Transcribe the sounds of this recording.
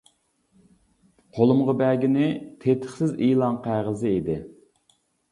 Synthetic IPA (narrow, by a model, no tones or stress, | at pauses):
qʰolˠʊmʁɑbæɡʲinɪt̪ʰet̪ʰə̥χsɪzilˠɑnqʰæʁəzɨid̪ɪ